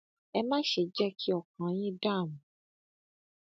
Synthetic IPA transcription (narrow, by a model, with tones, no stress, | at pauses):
ɛ˧mã˦ʃe˨d͡ʒɛ˦kʰi˦ɔ˦˨kã˨˦jĩ˦da˦˨mũ˨